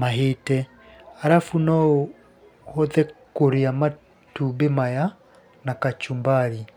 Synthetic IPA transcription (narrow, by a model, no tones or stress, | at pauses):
maɦetɛ | aɾafunɔo | hɔðɛkoɾeama | tubemaja | nakat͡ʃumbaɾi